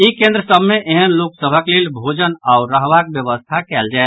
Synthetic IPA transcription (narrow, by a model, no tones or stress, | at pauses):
ikẽnd̪ɾəsəbʱmeʔeɦənloksəbʱəklelbʱod͡ʒənauɾəɦʋakbjəβəst̪ʰakɛld͡ʒaet̪